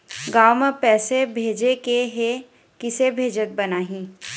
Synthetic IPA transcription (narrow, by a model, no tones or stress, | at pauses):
ɡaːwmepɛːsebʱeːd͡ʒekeɦe | kɪsebʱeːd͡ʒət̪̚bɐnaːɦĩː